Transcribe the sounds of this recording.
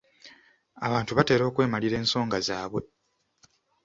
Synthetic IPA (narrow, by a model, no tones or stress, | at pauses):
aβaːntuβate̞ːɾo̞ːkwe̞ːmaliɾe̞ːnso̞ːŋɡazaːβwe̞